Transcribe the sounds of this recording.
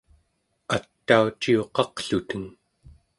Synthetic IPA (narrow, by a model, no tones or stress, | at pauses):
at̪ːaut͡ʃio̞qɑqɬut̪əŋ